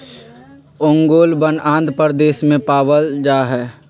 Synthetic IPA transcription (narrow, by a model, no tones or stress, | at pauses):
oːŋɡoːlbənãːnd̪pəɾd̪eːsmẽpaːʋəld͡ʒaːɦɛː